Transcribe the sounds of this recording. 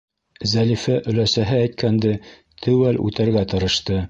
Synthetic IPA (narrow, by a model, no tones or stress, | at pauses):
zælifæʔɵ̆læsæɦɘæjt̪̚kʰænd̪ɘ | t̪ʰɘwælʉ̰t̪æɾɡæt̪ɤ̆ɾɤ̆ʃt̪ɤ